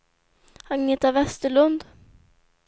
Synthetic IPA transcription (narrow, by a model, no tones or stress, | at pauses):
aŋneːt̪avɛst̪əɭɵnd̪